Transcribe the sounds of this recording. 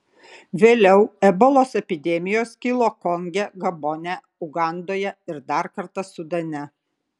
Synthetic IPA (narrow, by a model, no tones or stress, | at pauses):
ʋʲeːlʲɛʊɛbolˠoːsɛpʲɪd̪ʲɛmʲɪjoːskʲɪlˠoːkɔŋʲɡʲɛɡɐbɔnʲɛ | ʊɡɑˑnd̪oːjɛɪɾd̪ɑˑɾkɐɾt̪ɐsʊd̪ɐnʲɛ